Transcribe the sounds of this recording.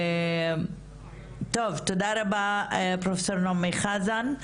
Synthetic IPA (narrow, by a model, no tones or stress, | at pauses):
t̪ovt̪od̪aɾabapɾofesoɾnomejχazan